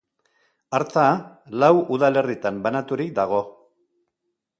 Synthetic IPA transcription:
aɾt͡sa | lawuðale̞rit̪ambanat̪uɾik̚d̪aɣ̞o̞

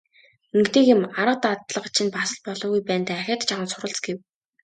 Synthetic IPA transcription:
ɵŋkt̪eːkɪ̆maɾə̆q̚t̪at̪ɮə̆χt͡ɕʰinpasə̆ɮ̚pɔɮʊːɣujpæːnt̪ʰːæxʲăːt̪t͡ɕʰaʁə̆nsʊɾə̆ɬt͡sɡew

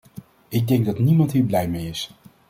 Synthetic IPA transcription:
ɪɡ̚dɛŋɡ̚dɑtnimɑntɦiːɹblɛjmejɪs

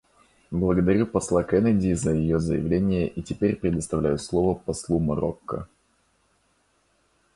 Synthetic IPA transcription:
blˠəɡəd̪ɐɾʲupɐslˠakɛnədʲɪzəjɪjozəjɪvlʲenʲɪjəʔitʲɪpʲeɾʲpɾʲɪd̪əst̪ɐvlʲæjʊslˠovəpɐslˠumɐɾo̰kːə̰

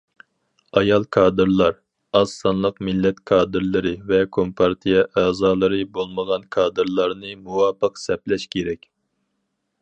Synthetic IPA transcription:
ɑjɑlˠkʰɑːd̪ɨɾlˠɑɾ | ɑsːɑnlˠəqmɪlːɛt̪kʰɑːd̪ɨɾlˠɨɾɨvɛkʰompʰɑɾt̪ʰijɛʔæːzɑːlˠɨɾɨbolˠməʁɑnkʰɑːd̪ɨɾlˠɑɾnɨmuwɑːpəqsɛplɛʃkʲʰeɾɛkʲ

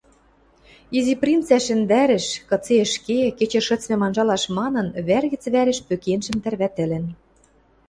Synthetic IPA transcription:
iziprʲint͡sæʃɘ̆nd̪æɾɘ̆ʃkɤ̆t͡seə̆ʃkeket͡ɕĕʃɤ̆t͡smɘ̆mɑnʒɑlɑʃmɑnɤ̆nβærɣɘ̆t͡sβæɾɘ̆ʃpøkenʒɘ̆mt̪ærβæt̪ɘ̆lɘ̆n

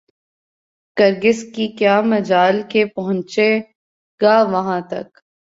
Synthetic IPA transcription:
kɐɾɡɪskikjaːmɐd͡ʒaːlkepɐɦʊ̃ɲt͡ʃe | ɡaːʋɐɦãt̪ɐ̰k

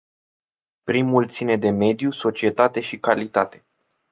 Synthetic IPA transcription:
ppɾimult̪sine̞d̪e̞me̞d̪juso̞t͡ʃie̞t̪at̪e̞ʃikalit̪at̪e̞̥

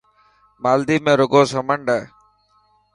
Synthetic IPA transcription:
maːld̪iːmẽːɾʊɡoːsəməɳɖəː

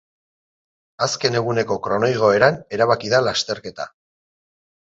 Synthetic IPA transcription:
aske̞ne̞ɣ̞une̞ko̞kɾo̞no̞jɣ̞o̞e̞ɾane̞ɾaβakiðalast̪e̞ɾke̞t̪a̰

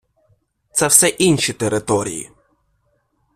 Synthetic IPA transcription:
t̪sɛwsɛʔinʲʃit̪eɾɪt̪ɔɾʲḭjḭ

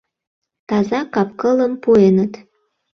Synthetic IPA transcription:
t̪ɑzɑkɑp̚kələmpuenət̪

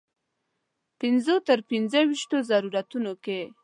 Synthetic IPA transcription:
pɪnzot̪əɾpinzəwiʃt̪ozaɾuɾat̪unoke

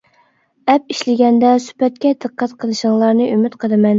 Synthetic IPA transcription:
ɛp̚iʃlɪɡʲɛnd̪ɛsy̥pɛt̪̚kʲɛd̪ɨqʰːæt̪qʰəlˠɨʃəŋlˠɑɾnɨʔymyt̪qʰəlˠɨmɛn

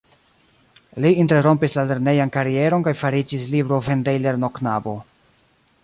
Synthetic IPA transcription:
liinteɾo̞mpislale̞ɾne̞jankaɾie̞ɾo̞nkajfaɾid͡ʒislibɾo̞ve̞ndejle̞ɾno̞knabo̞

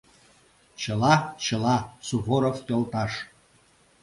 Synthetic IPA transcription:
t͡ɕɤ̆lɑt͡ɕɤ̆lɑt͡suβoɾoft̪ʲolt̪ɑʂ

